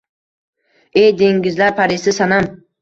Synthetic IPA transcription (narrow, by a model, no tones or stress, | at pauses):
ejd̪eŋɡʲɪzlaɾpʰaɾɪsɪsanam